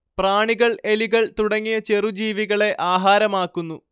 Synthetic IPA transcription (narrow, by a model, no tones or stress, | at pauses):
praːɳiɣɐɭeliɣɐɭt̪uɽɐŋːijɐt͡ɕe̞rud͡ʑiːʋiɣɐɭe̞ʔaːɦaːɾɐmaːkːunːu